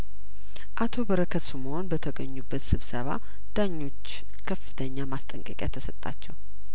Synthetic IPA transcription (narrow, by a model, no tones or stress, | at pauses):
ʔat̪ʰo̞bəɾəkʰəsumoonbət̪ʰəɡəɲːubːət̪sɨβsəβa̰ | d̪̥aɲːo̞t͡ʃː | kʰəfːɨt̪ʰəɲːamast̪ʼəŋkʼəkʼja̰t̪ʰəsət̪ʼːa̰t͡ʃːɛw